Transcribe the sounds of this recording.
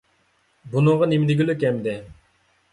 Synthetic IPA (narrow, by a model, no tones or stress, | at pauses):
bunəŋʁɑnemɪd̪ɪɡʲilykʲɛmd̪ɪ